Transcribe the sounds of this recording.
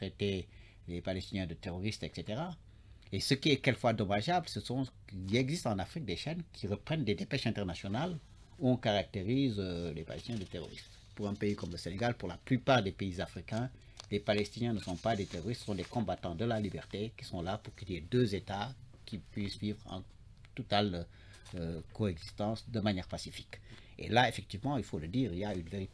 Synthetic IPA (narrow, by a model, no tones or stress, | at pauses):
t̪χet̪e | lepalɛst̪injɛ̃d̪ət̪eʁɔʁist̪ɛkset̪eʁa | esəkiɛkɛlfwad̪ɔmaʒablsəsɔ̃ | ɛɡzist̪ɑ̃nafχik̚d̪eʃɛnkʰʲiʁəpχɛnd̪ed̪epɛʃɛ̃t̪ɛʁnasjɔnal | uɔ̃kaʁak̚t̪eʁizølepa̰lɛ̰st̪inɛ̃d̪ət̪eʁɔ̰ʁḭst̪ | puʁɛ̃peikɔmləseneɡalpuʁlaplypaʁd̪epeizafʁikɛ̃ | lepalɛst̪injɛ̃nəsɔ̃pad̪et̪eʁɔʁist̪səsɔ̃d̪ekɔ̃bat̪ɑ̃d̪əlalibɛʁt̪eki̥sɔ̃lapuʁkilied̪øzet̪a | kipɥisvivʁɑ̰̃ | t̪ut̪al | koɛɡzist̪ɑ̃sd̪əmanjɛʁpasifi̥k | ḛlaefɛk̚t̪ivmɑ̃ilfoləd̪iːʁiljaynveʁit̪